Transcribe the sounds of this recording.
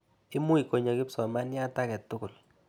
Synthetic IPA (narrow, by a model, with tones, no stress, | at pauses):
ɪ˦mʊ˦i˨ko˨ɲɔ˨kɪ˦psɔ˨ma˦nja˦˨ta˦kɛ˨t̪ʊ˦kʊ˨l